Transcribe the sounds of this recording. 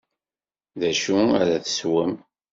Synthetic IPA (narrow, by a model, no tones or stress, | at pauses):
ðæʃuæ̰ɾæθə̥swəm